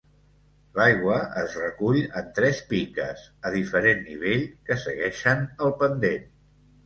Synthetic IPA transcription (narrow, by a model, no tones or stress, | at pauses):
lajɣwəəzrəkuʎənt̪ɾɛspikə̰zəðifəɾenːiβ̞eʎkəsəɣɛʃənəlˠpənd̪en